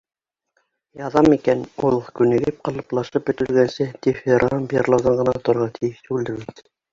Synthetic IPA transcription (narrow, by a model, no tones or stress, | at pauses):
jɑðɑmikænulˠkʉnɘ̆ɡɘp̚qɑlˠɤ̆plˠɑʃɤp̚bɵ̆t̪ɘ̆lɡænsɘt̪ifeɾʔɑmbjɑrlˠɑɾðɑɴʁɤ̆nɑt̪ŏɾʁɑt̪ʰɘ̆jɘʃt̪uld̪ɘ̆ɾɘlt̪ɘ